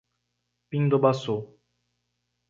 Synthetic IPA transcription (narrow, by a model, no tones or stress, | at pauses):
piŋd̪obaso